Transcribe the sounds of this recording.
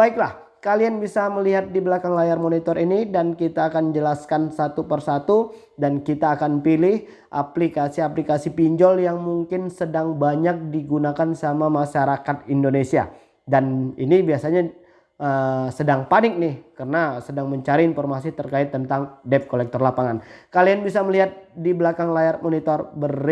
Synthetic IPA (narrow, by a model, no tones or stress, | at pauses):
baɪk̚lah | kalianbisaməliɦat̪̚diblakaŋlajarmonit̪ɔɾinidankit̪aːkand͡ʒəlaskansat̪upərsat̪u | dankit̪aːkanpilɪh | ʔa̰plikasiaplikasipiɲd͡ʒɔljaŋmuŋkɪnsədaŋbaɲak̚diɡunakansamamaʃaɾakat̪̚indonesia̰ | daninibiasaɲa | əsədaŋpanɪk̚nɪhkərənasədaŋməɲt͡ʃaɾiːnfɔrmasit̪ərkaɪt̪ːənt̪aŋdɛp̚kolɛk̚t̪ɔrlapaŋankalianbisaməliɦat̪̚diblakaŋlajarmonit̪ɔrbə